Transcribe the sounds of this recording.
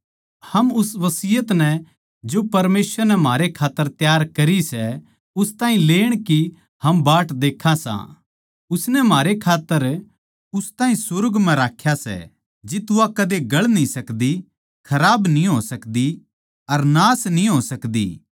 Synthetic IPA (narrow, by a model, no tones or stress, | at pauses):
hɐmʊsʋɐsɪjət̪nɛ | d͡ʒopɐɾmeːsʋəɾnɛm̤ʱaːɾekʰaːt̪ːəɾt̪jaːɾkɐɾisɛ | ʊst̪aːɦĩleːɽ̃ki | hɐmbaːʈd̪eːkʰːasã̰ | ʊsnɛm̤aːɾekʰaːt̪ːəɾ | ʊst̪aːɦĩsʊɾɡmɛ̃ɾaːkʰːjasɛ̰ | d͡ʒɪt̪ʊakɐd̪eɡɐɭnĩsɐkd̪i | kʰɐɾaːbnĩɦoːsɐkd̪i | ɐɾnaːsnĩɦoːsɐkd̪ḭː